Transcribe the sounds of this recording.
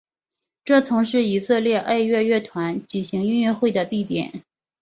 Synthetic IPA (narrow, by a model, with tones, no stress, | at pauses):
ʈ͡ʂɤ˥˩t͡sʰʊ˧˥ŋʂɻ̩˥˩i˨˩sɤ˥˧ljɛ˥˧ʔe˥˧ɪɥɛ˥˧ɥɛ˥˩t̪ʰwa˧˥nt͡ɕy˨˩ɕi˧˥ŋy˥˧ny˥˧xwe˥˩ɪd̪ə˩t̪i˥˩t̪jɛ̰˨˩˦n